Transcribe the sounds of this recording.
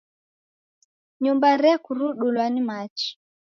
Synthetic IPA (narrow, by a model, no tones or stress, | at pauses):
ɲumbaɾɛkuɾuɗulwanimat͡ʃi̥